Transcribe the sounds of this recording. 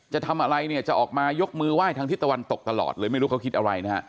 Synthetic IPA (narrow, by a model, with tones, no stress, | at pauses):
t͡ɕa˨˩t̪ʰa˧mʔa˧ɾa˧jni˥˩ət͡ɕa˨˩ʔɔː˨˩k̚maː˧jo˦˥k̚mɯː˧waː˥˩jt̪ʰa˧ŋt̪ʰiː˦˥˩t̪a˧wa˧nt̪o˨˩k̚t̪a˧lɔ̰ː˨˩t̪̚lɤː˧jma˥˩jɾuː˦˥kʰa˦˥kʰi˦t̪̚ʔa˧ɾa˧jna˦˥ha̰˦˥